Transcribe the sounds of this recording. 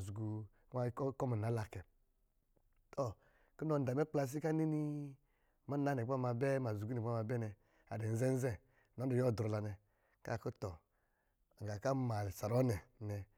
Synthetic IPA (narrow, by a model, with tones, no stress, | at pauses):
zu˨ɡu˨˦ | a˧˦kkɔ˦ma˨na˨˦la˨kɛ˨ | tʰɔ˦˨ | ki˦nɔ˧n̩˦da˨mɛ˦k͡pla˧s̬i˦ka˦ni˦ni˧ | ma˦na˨˦nɛ˨k͡pa˦ma˧bɛ˦ma˨zu˨ɡu˦n˨˦ma˧bɛ˦nɛ˧ | a̰˨dɛ˨n̩˦zɛ˦n̩˦zɛ˦˨ | nɔ˨˦du˨jɔ˦˨dɾɔ˨la˨nɛ˧ | ka̰˦˨ku˦tɔ˨ | ŋ˨ɡa˨ka˦ma˨lsa˨ɾɔ˦nɛ˨nɛ˧